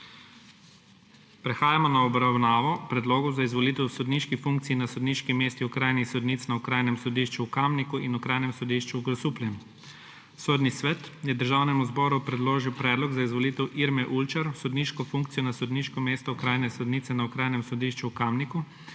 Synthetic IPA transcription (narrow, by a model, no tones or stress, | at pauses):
pɾɛxaːjamɔnaɔbɾawnaːʋɔpɾɛd̪loːɡɔwzaizʋɔlit̪ɛwsɔd̪niːʃkifuŋk̚t̪siinasɔd̪niʃkimeːst̪iukɾaːjnixsɔd̪niːt̪snaukɾaːjnɛmsɔd̪iːʃt͡ʃuːkamnikuinukɾaːjnɛmsɔd̪iʃt͡ʃuːɡɾɔsupliɛn | soːd̪nisʋɛːt̪jɛd̪əɾʒaːwnɛmuzbɔːɾupɾɛd̪loːʒiwpɾɛːd̪lɔɡzaizʋɔliːt̪ɛwʔiɾmɛʔult͡ʃaɾsɔd̪niʃkɔfuŋkt̪sijɔnasɔd̪niʃkɔmeːst̪ɔkɾajnɛsɔd̪niːt̪sɛnaukɾaːjnɛmsɔd̪iːʃt͡ʃuːkamniku